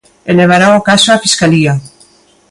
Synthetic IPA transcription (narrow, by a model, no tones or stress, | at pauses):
eleβ̞aɾaokasoafiskalia